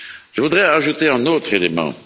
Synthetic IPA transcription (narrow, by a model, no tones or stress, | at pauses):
ʒəvud̪ʁɛaʒut̪eɛ̃not̪χelemɑ̰̃